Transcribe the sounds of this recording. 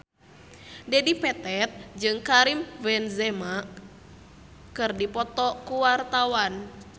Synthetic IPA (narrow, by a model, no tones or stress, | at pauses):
dɛdipɛt̪ɛt̪̚d͡ʒɨŋkaɾimvɛnzɛma | kɨrdipɔt̪ɔkuwart̪awan